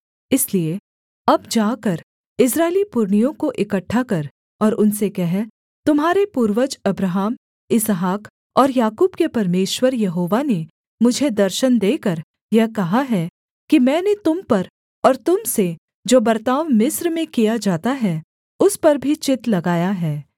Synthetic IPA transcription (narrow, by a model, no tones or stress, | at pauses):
ɪslie | ɐbd͡ʒaːkɐɾ | ɪs̬ɾaːɪelipʊɾɳijõkoʔɪkəʈʰːakɐɾ | ɔːɾʊnsekɛɦɛ | t̪ʊmɦaːɾepuːɾʋəd͡ʒɐbɾəɦaːm | ɪsɦaːk | ɔːɾjaːkuːbkepɐɾmeːʃwəɾjɐɦoːʋane | mʊd͡ʒʱed̪ɐɾʃənd̪eːkɐɾ | jɐɦkɐɦaɦɛ | kimɛ̃ːnet̪ʊmpɐɾ | ɔːɾt̪ʊmse | d͡ʒoːbɐɾt̪aːʋmɪsɾmẽkijad͡ʒaːt̪aɦɛ | ʊspɐɾbʱit͡ʃɪt̪lɐɡaːjaɦɛː